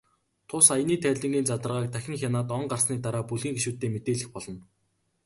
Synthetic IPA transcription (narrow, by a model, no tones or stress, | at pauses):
t̪ʰʊsajniːt̪ʰæːɮʲə̆ŋɡiːnt͡sat̪ə̆rʁaːk̚t̪ʰæxʲɪ̆ŋxʲanaːt̪ɔɴɢarsniːt̪aɾaːpuɮɣiːŋɡeʃuːt̪ːeːmet̪eːɮɘ̆xpɔɮɞ̆n